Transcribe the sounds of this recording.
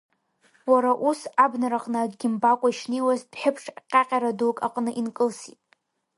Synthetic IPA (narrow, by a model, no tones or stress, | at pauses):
waɾaʔusabnaɾaχʼnaaɡɡʲɪmbakʷʼaiʃnewazdħɪpʰʂqʲʼaqʲʼaɾadukʼaqʼnɨʔinkʼɨlsitʼ